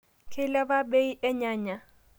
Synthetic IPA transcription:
kʰɪ˦la˦ba˦ɓe˦i˦ʔɛ˦ɲaː˦˨ɲa˨

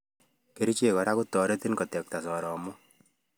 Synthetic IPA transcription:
ke˨ɾi˦t͡ʃe˨kɔ˨ɾa˦kʊ˦tɔ˨ɾe˦ti˦nkɔ˨tɛ˨k̚ta˨sɔ˨ɾɔ˨mʊ˦

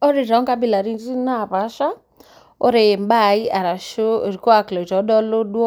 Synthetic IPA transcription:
ɔ˦ɾe˨ɾa˨ɔ˦ŋka˦bi˦la˨ɾi˦zi˦na˦˨βa˨˦ʃa˦ | ɔ˦ɾe˨m˦ba˦˨i˦a˨ɾa˨ʃo˦˨ɾi˨kɔ˦a˨klɔ˨ta˨ɔ˦dɔ˦lo˦ɗwɔ˦

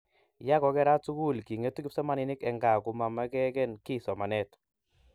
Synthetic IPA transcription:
ja˦kɔ˨˦kɛ˦ɾa˦tsu˦ku˦˨lki˨ŋe˦tu˦kɪ˦psɔ˦ma˦nɪ˦nɪ˦kɛ˨ŋɡa˨ku˨˦ma˨ma˦kɛ˦kɛ˦nki˦sɔ˨ma˨nɛ˦t

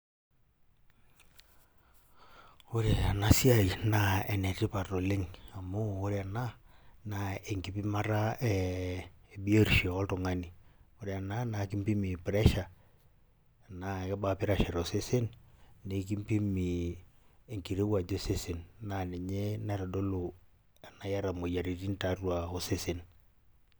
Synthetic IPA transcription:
o˦ɾe˨a˨na˦si˦a˦˨jna˨e˨ne˨ti˦pa˨to˨lɪ˦ŋa˨mo˦o˦ɾe˨a˨na˦na˨e˨ŋki˦pi˦ma˦ɾa˦ɛ˨ | bi˦o˦˨ɾʃɔ˨ɔ˦ltʊ˨ŋa˦ni˨o˦ɾe˨a˨na˦na˨ki˦mpi˦mi˨pɾɛ˦ʃa˨ | na˨kɛ˦ba˦pɪ˦ɾa˦˨ʃɛ˨ɾo˨se˦se˦nne˨˦ki˦mpi˦mi˨ | e˨ŋki˨ɾe˦wa˨d͡ʒo˦se˦se˨nːa˨ne˨ɲe˦na˦ɾa˨do˦lo˨ | a˨na˨ja˦ɾa˨mo˨ja˨ɾi˨ti˦nta˦rwa˨o˦se˦se˨n

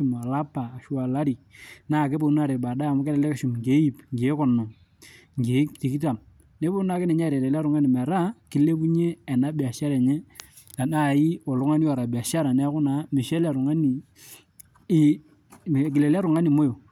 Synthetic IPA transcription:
u˨m˨a˨la˦paː˨ʃwa˨la˦ɾi˨naː˦˨ke˦bo˦na˦ɾe˨ba˨da˦˨mʊ˦kɛ˦lɛ˦lɛ˦ke˦ʃu˨m˨ŋɡe˨˦i˦˨pŋɡe˨˦kɔ˨nɔ˨ŋ | ŋɡe˨˦ti˨ki˦ta˨m | ne˦bo˦na˨kɪ˦nɛ˨ɲa˦˨ɾɛ˨lɛ˨la˦ɾʊ˨ŋa˦ni˨mɛ˨ɾa˦ki˨˦le˦bu˦ɲe˦ɛ˨na˨˦bi˨a˨ʃa˦ɾa˨ɲɛ˦ | a˨na˦˨i˦ɔ˨lʊ˨˦ŋa˦ni˦ɔ˨ɾa˨bi˨a˨ʃa˦ɾa˨nɛ˦kʊ˦na˨˦mɪ˨ʃɛ˦la˨ɾʊ˨ŋa˦ni˨˦˨ | k̬ɪ˨le˨la˦ɾʊ˨ŋa˦ni˨mo˦jo˨

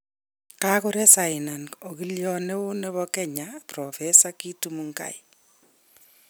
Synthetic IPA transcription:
kako˦ɾe˦sa˨ɪ˨na˨no˨ki˦ljɔne˦ʊ˦ne˦βɔkɛ˦ɲaprɔfesakitumuŋka̰˦˨i

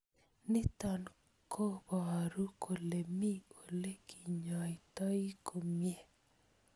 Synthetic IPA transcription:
nɪ˦t̪ɔ˨n | kʰo˦bɔ˨a˨ɾu˦kʰo˨le˨mi˦o˨le˦kʰi˨ɲɔ˨ɪ˨t̪ɔ˦i˦kʰo˨mje˦˨

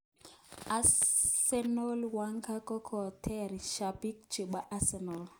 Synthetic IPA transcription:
a˦sɛ˦nɔ˦lwa˦ŋka˦kɔ˦kʰɔ˨tʰɛ˦ɾʃa˨bi˦k̚t͡ʃɪ˨ɓa˦ʔa˦sɛ˨nɔ˨l

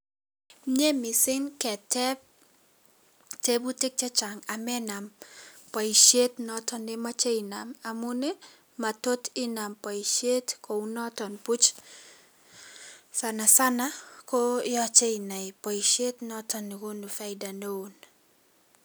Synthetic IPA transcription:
ɲe˦mi˨sɪ˦nkɛ˨tɛ˦p̚ | te˦bu˦te˦k̚t͡ʃɛ˦t͡ʃa˨ŋa˨mɛ˦na˨mpɔ˨i˨ʃe˦tnɔ˨tɔ˦ne˦ma˦t͡ʃe˦i˨na˨ma˨mu˦ne˦ | ma˨to˦tɪ˦na˨mpa˨i˨ʃe˦tko˨u˦nɔ˦tɔ˨npu˦t͡ʃ | sa˨na˨sa˦na˦ko˦jɔ˦t͡ʃe˦i˨na˨pɔ˨i˨ʃe˦tnɔ˦tɔ˨nːi˨ko˦nu˨fa˦ɪda˨no˦o˨n

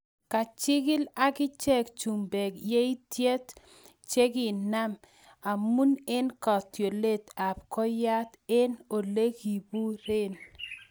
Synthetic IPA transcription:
ka˨t͡ʃɪ˦ɡɪ˦la˦ɡɪ˦t͡ʃe˦kt͡ʃu˨mbe˨kje˦i˦tje˦t̪ | t͡ʃe˦ɡi˨na˦m | a˨mu˦ne˦nkɔ˨tjo˨le˦t̪a˨p̚kɔ˦ja˦t̪e˦no˨le˦ɡi˨bu˦ɾe˦˨n

